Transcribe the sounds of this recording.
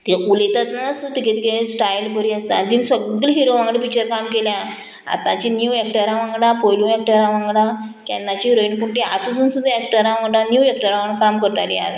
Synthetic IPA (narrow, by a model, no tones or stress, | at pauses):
t̪eʔulet̪at̪nasut̪ikẽt̪ikẽsʈajlpəɾiəst̪ant̪insəɡəlɦiɾoʋãŋɡɽepik̚t͡ɕəɾkamkeljã | a̰t̪ãt͡ɕinjuɛk̚ʈəɾãʋãŋɡɽãpoljuɛk̚ʈəɾãʋãŋɡɽã | kɛ̰̃nːãt͡ɕiɾoinkuɳʈia̰t̪ud͡zuːnsud̪ʱːaɛk̚ʈəɾãʋãŋɡɽãnjuɛk̚ʈəɾaʋəɳkamkəɾt̪alḭa̰t̪